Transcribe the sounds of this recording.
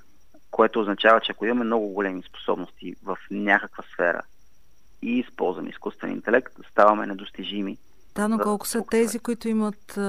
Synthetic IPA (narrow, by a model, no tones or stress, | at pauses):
koɛt̪oːznɐt͡ʃavət͡ʃɛakoimɐmɛmnɔɡʊɡolɛmispo̥sɔ̰bnost̪ivəfnʲakəkvəsfɛ̰ɾə̰ | iːspɔ̰lˠzvəmḭskust̪vɛ̰nḭnt̪ɛlɛkt̪st̪avɐmɛnɛd̪ost̪iʒimi | d̪̥anoɔlˠkʊ̥sət̪ɛzikoit̪ʊimət̪